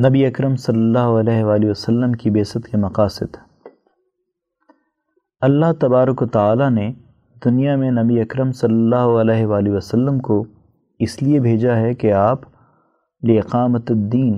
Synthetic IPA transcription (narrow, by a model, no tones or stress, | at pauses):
nɐbiɐkɾəmsɐlːəlːaːɦoɐlɛːɦʋaːliʋəsɐlːəmkibeːsət̪kemɐqaːsɪd̪ | ɐlːaɦt̪ɐbaːɾəkət̪aːlane | d̪ʊnijamẽnɐbiɐkɾəmsɐlːəlːaːɦoɐlɛːɦʋaːliʋɐsɐlːəmko | ɪsliebʱeːd͡ʒaɦɛkeaːp | liɪqaːmət̪d̪ːiːn